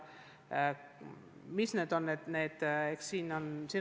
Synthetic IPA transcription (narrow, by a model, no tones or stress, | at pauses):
misne̞ːd̪̥o̞nːed̪̥ne̞ːd̪̥ekssiːnonsiːn